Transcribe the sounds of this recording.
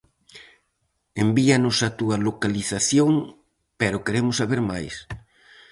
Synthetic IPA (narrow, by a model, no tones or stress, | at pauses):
embianʊsat̪uɐlokaliθaθjoŋ | peɾʊkeɾemʊsaβeɾma̰js